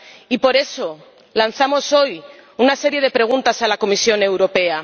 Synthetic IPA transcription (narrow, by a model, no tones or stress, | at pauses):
ipo̞ɾe̞so̞ | lan̟θamo̞so̞junase̞ɾje̞ð̞e̞pɾe̞ɣ̞unt̪asalakomisjo̞ne̞wɾo̞pe̞a